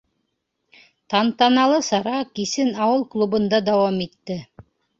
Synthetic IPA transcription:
t̪ɑnt̪ɑnɑlˠɤsɑɾɑkisɘnɑwɤlˠklˠubɤ̆nd̪ɑd̪ɑwɑmit̪ːɘ

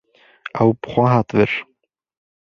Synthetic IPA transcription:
awpʰχaɦat̪vɪɾ̥

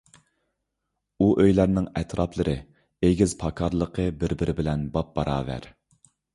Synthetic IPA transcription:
uʔøjlæɾnɪŋɛt̪ʰɾʔɑplˠɨɾʔɨ | eɡʲizpʰɑkʰɑɾlˠəqʰəbɪɾbɪɾɪbɪlɛnbɑp̚bɑɾɑ̰ːvæ̰ɾ

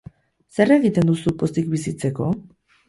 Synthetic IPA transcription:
se̞re̞ɣit̪e̞nd̪usupo̞st̪ikbisit͡se̞ko̞

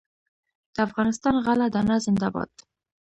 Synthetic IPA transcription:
d̪̥əafɣɑnɪst̪ɑnɣalad̪ɑnazɪnd̪abɑ̰t̪

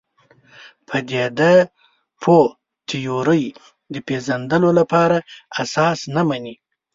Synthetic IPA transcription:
pʰəd̪ed̪a | pʰo | t̪ʰijoɾəj | d̪əpezand̪əlolapɑɾaasɑsnamani

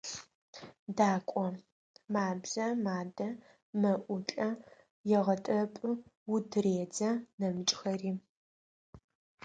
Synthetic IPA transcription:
daːkʷʼɔ | maːbzɐmaːdɐ | mɐʔʷʊt͡ɬʼɐ | jɛʁɐtʼɐpʼɨwʊdɨreːd͡zɐnɐmɨt͡ʃʼxɐriː

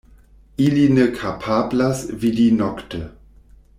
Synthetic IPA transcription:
ʔilinəkʰapʰablasvidinɔktə

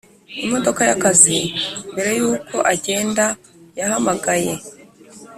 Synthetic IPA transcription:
imo̞do̞kajakazimbe̞ɾe̞juːkʰo̞ʔaɟe̞ːnda | jahamaɡaje̞

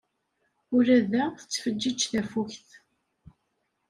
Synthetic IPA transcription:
ʊɾæðæθə̥t͡sːfəd͡ʒːid͡ʒθæfuçθ

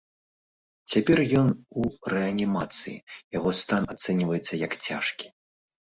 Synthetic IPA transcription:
t͡sʲapʲɛrjɔnurɛɐnʲimat̪sɨjḭjaɣɔst̪anat̪sɛnʲivɐjɛt̪sːɐjɐkt͡sʲa̰ʂkʲi̥

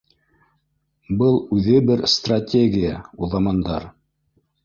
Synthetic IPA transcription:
bɤlˠʉðɘbɘɾst̪ratʲeɡʲɪjauðɑmɑnd̪ɑɾ

